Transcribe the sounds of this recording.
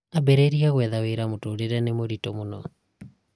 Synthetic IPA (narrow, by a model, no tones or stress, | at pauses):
abeɾeɾiaɣwɛðaweɾamotoːɾeɾɛnemoɾitɔmonɔ